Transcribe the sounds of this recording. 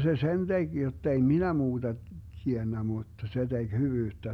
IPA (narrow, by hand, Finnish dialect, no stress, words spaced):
se sen teɡ̊ jotːei minæ muːd̥ɑ tienːæ muˑtːɑ se d̥eɡ̊ hyʋyːtːæ